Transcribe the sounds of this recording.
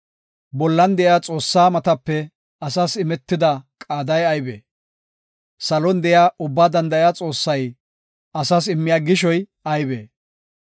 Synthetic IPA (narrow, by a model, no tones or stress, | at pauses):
bɔlːɐnd̪ɛjaːt͡sʼo̞ːsːaːmɐt̪ɐpːɛ | ɐsasɪmɛt̪ːɪd̪ɐkʼaːd̪ɐjɐjbḛː | sɐlɔnd̪ɛjaːʔʊbːaːd̪ɐnd̪ɐjaːt͡sʼo̞ːsːɐj | ɐsas̬ɪmːɪjaːɡɪʃ̬ɔj | ɐjbḛː